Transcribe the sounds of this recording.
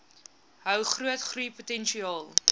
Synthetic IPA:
ɦœwχruətχrujputɛnʃiɑːlˠ

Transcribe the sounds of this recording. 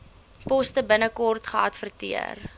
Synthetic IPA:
pɔstəbənəkɔrtχəɐtfərtiə̰r

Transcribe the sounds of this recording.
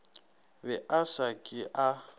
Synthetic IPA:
bɛʔasakʼɪʔa

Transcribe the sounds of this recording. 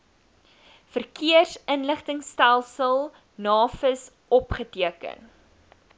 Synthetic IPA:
fərkʰiərsənləχtəŋstælˠsəlˠ | nɑːfəs | ɔpχətiəkə̰n

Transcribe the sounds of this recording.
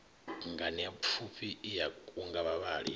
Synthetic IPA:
ŋɡaniapfʰupʰiːjauŋɡaβaβaːɺḭ

